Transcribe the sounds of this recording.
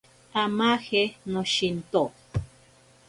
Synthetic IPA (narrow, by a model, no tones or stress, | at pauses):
amaxenoʃint̪o